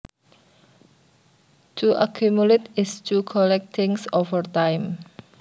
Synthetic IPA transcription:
tʰuʔakʰumuletɪstukʰɔlɛk̚t̪ʰɪ̃ŋsɔvətãjm

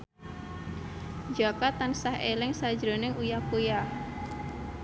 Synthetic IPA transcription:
d͡ʒakat̪ansahelɪŋsad̥d͡ʒɾo̤nɪŋujakuja

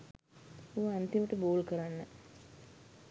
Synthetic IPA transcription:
uʋəant̪iməʈəboːlkəɾanːə

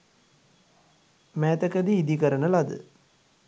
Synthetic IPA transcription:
mɛːt̪ɐkɐd̪iːd̪ikɐɾənəlɐd̪ɨ̰

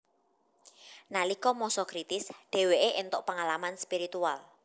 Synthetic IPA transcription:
nalikɔmɔsɔkɾit̪ɪsɖ̪̥e̤weʔeʔent̪oʔpaŋalamanspiɾit̪ual

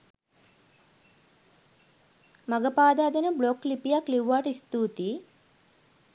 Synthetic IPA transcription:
mɐɡɐpaːd̪aːd̪ɐnəbloklipijaklewʋːaːʈəist̪uːt̪i

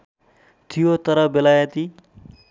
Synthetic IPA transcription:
t̪ʰijot̪ʌɾʌbelajʌt̪i

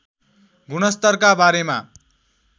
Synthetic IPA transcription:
ɡunʌst̪ʌrkabaɾema

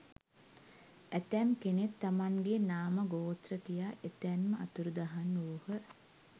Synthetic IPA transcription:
æt̪æmkenet̪ːamaŋɡenaːməɡoːt̪rət̪ijaʔet̪ɛmːəat̪uɾud̪aɦanːuːhə

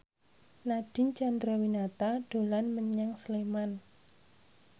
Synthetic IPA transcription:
naɖ̥ɪ̤nt͡ʃandɾawinat̪aɖ̥o̤lanməɲaŋsleman

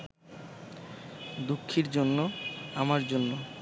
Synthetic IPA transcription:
d̪ukʰːiɾd͡ʑonːoamaɾd͡ʑonːo

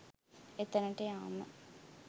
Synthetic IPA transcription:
et̪ənəʈejaːmə̰

